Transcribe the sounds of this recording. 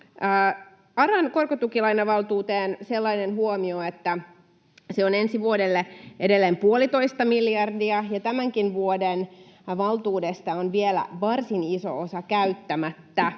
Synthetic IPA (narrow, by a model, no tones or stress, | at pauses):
ɑɾɑnko̞rkot̪ukilɑinɑʋɑlˠt̪uːt̪eːnselːɑinenɦuomioet̪ːæ | seone̞nsiʋuodelːeʔedelːeːmpuolit̪o̞ist̪ɑmiljɑrdiɑjɑt̪æmæŋkinʋuodenʋɑlt̪uːdest̪ɑonʋielæ̰ʋɑrsiniso̰osɑkæyt̪ːæmæt̪ːæ